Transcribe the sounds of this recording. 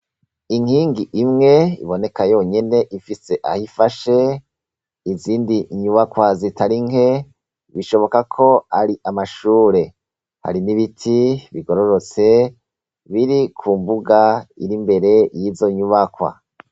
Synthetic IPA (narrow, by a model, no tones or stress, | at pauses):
iŋhiːŋɡiʔimŋe̞ḭβo̞ne̞kajo̞ɲe̞ne̞ʔifise̞ʔahifaʃe̞ | iziːndiɲuβakwazitaɾiŋe̞ | βiʃo̞βo̞kakʰo̞aɾiʔamaʃuːɾe̞ | ha̰ɾiniβitʰiβiɡo̞ɾo̞ɾo̞t͡se̞ | βiɾikʰuːmbuɡaḭɾimbe̞ɾe̞jiːzo̞ɲuβakwa̰